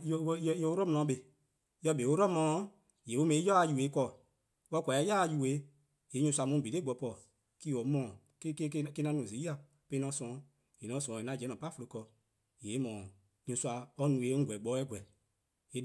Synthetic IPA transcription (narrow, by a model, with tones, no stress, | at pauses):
jo˧˦˧o˧o˦ɾɔ˦mɔ̃˧ɔ̃˧˦ɓe˧ | jɔ˧˦be˨˦o˦ɾɔ˦mɔ̃˨˦ | je˨o˦mɛ̃˧ĩ˦jɔ˦a˧˦ju˨e˨˦kɔː˧˨ | wɔ˧˦kʷa˨ɛ˨˦ja˦˧ju˧˨e˨˦ | je˨˦ɲũ˧sa˧mũ˨˦be˨le˦ɡ͡bɔ˨pɔ˧˨ | ki˦o˨˦mɔ̃ː˨ | ke˦ke˦kke˧˦nã˧˦nũ˨zi˨˦i˦a˧˨ | pe˧˦nɔ̃˧˦sɔ̃˨˦ | je˨nɔ̃˨˦sɔ̃˨e˨nã˨˧˨d͡ʒɛ˨˦nɔ̃˨pa˦fo˧lo˧˦kɔ˧˨ | je˨˦mɔ̃ː˨ | ɲũ˧swa˧ɔ˧˦nũ˨e˨˦ŋ̩˦ɡʷɛ˨ɡ͡bɔː˨˦ɛ˦ɡʷwɛ˨ | e˨